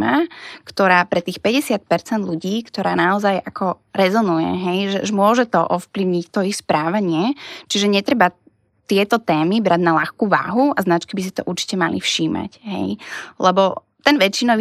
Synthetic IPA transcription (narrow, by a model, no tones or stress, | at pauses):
makt̪ɔɾaːpɾɛt̪iːxpɛɟɛsɪat̪̚pɛɾt͡sɛnd̪ʎuɟiːkt̪ɔɾaːnaɔzajakɔ | ɾɛzɔnujɛ̰ɦɛjʒɛʒɛmʊɔʒɛt̪ɔʔɔfpliʊɲict̪ɔixspɾaːʋaɲɪɛt͡ʃiʒɛɲɛt̪ɾɛba | t̪ɪɛt̪ɔt̪ɛːmibɾaɟnalaxkuːʋa̰ːɦuaznat͡ʃkibis̬i̥t̪ɔ̰ʔuɾt͡ʃi̥cɛmalḭfʃiːma̰cɦɛ̰jlɛbɔ | t̪ɛnʋɛt͡ʃːinɔʋ